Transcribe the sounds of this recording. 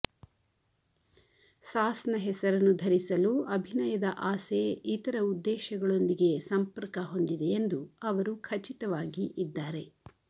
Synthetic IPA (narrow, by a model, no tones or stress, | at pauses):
saːsɐnɐɦɛsɐɾɐnːud̪ʱɐɾisɐluɐbʱinɐjɐd̪ɐʔaːseit̪ɐɾɐud̪ːɛːʃɐɡɐɭo̞nd̪iɡe̞sɐmpɐɾkɐɦo̞nd̪id̪e̞ːnd̪uɐʋɐɾukʰɐt͡ʃit̪ɐʋaːɡiʔid̪ːaːɾe̞